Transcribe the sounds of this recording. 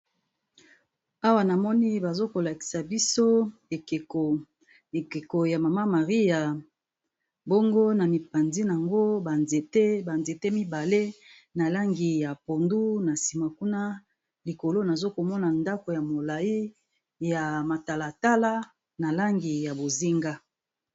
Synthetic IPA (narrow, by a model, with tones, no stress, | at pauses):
a˦wa˨na˨mɔ˦ni˦ba˨zo˦ko˨la˨ki̥˨sa˨bi˦so˦e˨ke˨o˨ | e˨ke˨ko˨ja˨ma˨ma˦ma˨ʁi˦ja˨ | bo˦ŋɡo˦na˨mi˨pa˨nzi˦n˨a˨ŋɡo˦ba˨nze˨te˦ba˨nze˨te˦mi˦ba˨le˦ | na˨la˦ŋɡi˨ja˨po˨ndu˦na˨si˨ma˨ku˦na˦ | li˨ko˨lo˦na˨zo˦ko˨mɔ˦na˨nda˦ko˨ja˨mo˨la˨i˦ | ja˨ma˨ta˨la˨ta˦la˦ | na˨la˦ŋɡi˨ja˨bo˨zi˦ŋɡa˦